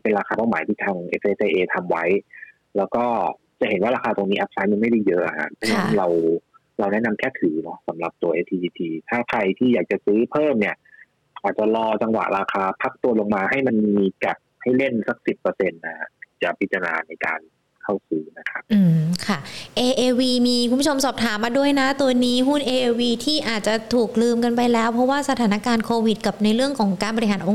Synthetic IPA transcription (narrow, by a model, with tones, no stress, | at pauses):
pe˧nɾaː˧kʰaː˧paː˥˩wmaː˩˦jt̪ʰiː˥˩aː˧ŋʔe˧˥sʔeː˧sʔeː˧ʔeː˧t̪ʰa˧mwa˦˥j | lɛː˦˥wkɔː˥˩ | t͡ɕa˨˩ʔhe˨˩˦nwaː˥˩ɾaː˧kʰaː˧t̪o˧ŋniː˦˥ʔa˦˥p̚sa˧˦˥jma˧nma˥˩jda˥˩jɤ˦˥ʔa˨˩hʰa̰˦˥˩pʰɔ˦˥na˦˧˥nɾa˧w | ɾa˧wnɛ˦˥na˧mkʰɛː˥˩t̪ʰɯː˩˦nɔ˦˥sa˩˦mɾa˨˩p̚t̪u˧ɐʔeː˧t̪ʰiː˧iː˧t̪ʰiː˧t̪ʰaː˥˩kʰɾa˧jt̪ʰiː˥˩jaː˨˩k̚t͡ɕa˨˩sɯː˦˥pʰɤː˥˩mni˥˩ɐ | ʔaː˨˩t͡ɕa˨˩lɔː˧t͡ɕa˧ŋwa̰˨˩ɾaː˧kʰaː˧pʰa˦˥k̚t̪u˧ɐlo˧ŋmaː˧ha˥˩jma˧nmmiː˧ka˨˩t̪̚ha˥˩jle˥˩nsa˦˩k̚si˨˩pːɤː˧se˧nːa˦˩t̪ʰi̥ː˧˩t͡ɕa˨˩pʰi˦˥t̪ːɾa˧na̰ː˧na˧jka̰ː˧n | kʰa˥˩wsɯː˦˥na˦˥kʰa˦˥p̚ʔɯː˧˩mkʰa˥˩ʔeː˧ʔeː˧wiː˧miː˧kʰu˧bt͡ɕʰo˧msɔː˨˩p̚t̪ʰaː˩˦mːaː˧du˥˩əjna˦˥t̪u˧ɐniː˦˥ɦu˥˩nʔeː˧ʔeː˧wiː˧t̪ʰiː˥˩ʔaː˨˩t̪̚t͡ɕa˨˩t̪ʰuː˨˩k̚lɯː˧mka˧npa˧jlɛː˦˥wpʰɾɔ˦˥waː˥˩sa˧aː˩˦na˦˥kaː˧nkʰoː˧wi˨˩t̪̚ka˨˩p̚na˧jɾɯ˥˩əŋkʰɔː˩˦ŋkaː˧nbɔ˧ɾi˧ɦaː˩˦nʔo˧ŋ